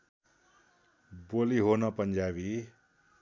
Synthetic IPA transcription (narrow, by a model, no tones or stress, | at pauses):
boliɦonʌpʌnd͡zjabi